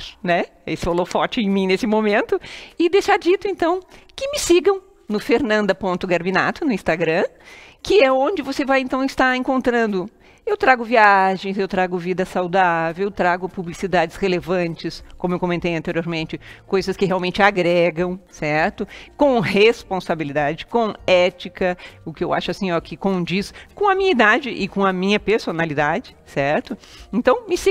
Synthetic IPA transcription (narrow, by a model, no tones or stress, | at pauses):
nɛ | esɪholoɾfɔɾt͡ʃɪẽmĩnesɪmomẽnt̪ʊɪd̪ejʃaɾd͡ʒit̪ʊẽnt̪ɐ̃w̃kɪmɪsiɡɐ̃w̃ | nʊfeɾnɐ̃nd̪ɐpõnt̪ʊɡaɾbina̰t̪ʊnʊĩst̪aɡɾɐ̃ | kɪɛõd͡ʒɪvosevajẽnt̪ɐ̃w̃ɪst̪aɾẽŋkõnt̪ɾɐ̃nd̪ʊ | ewt̪ɾaɡʊviaʒẽj̃zewt̪ɾaɡʊvid̪ɐsawd̪avewt̪ɾaɡʊpublisid̪ad͡ʒɪshelevɐ̃t͡ʃɪskõmʊewkõmẽnt̪ejɐ̃nt̪eɾioɾmẽnt͡ʃɪkojzɐskɪɦeawmẽnt͡ʃɪaɡɾɛɡɐ̃w̃sɛɾt̪ʊkõhespõsabilid̪ad͡ʒɪkõɛt͡ʃikɐʊkɪewa̰ʃʊasĩɔkɪkõd͡ʒiskõɐmĩɲɐid̪ad͡ʒɪʔɪkõɐmĩɲɐpeɾsonalid̪ad͡ʒɪsɛɾt̪ʊẽnt̪ɐ̃w̃mɪs